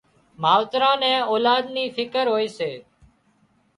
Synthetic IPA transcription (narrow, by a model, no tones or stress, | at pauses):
maːʋt̪ɾãːnɛ̃ːɔːlaːd̪niːfʰɪkəɾɦoːeːseː